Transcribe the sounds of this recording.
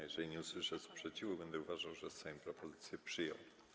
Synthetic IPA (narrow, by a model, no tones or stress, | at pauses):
jɛʐɛlʲiɲɛuswɘʂɛspʂɛt͡ɕivubɛnd̪ɛuvaʐawʐɛsajɔ̃mpɾɔpɔzɘt̪sʲjɛpʂɘjɔ̰w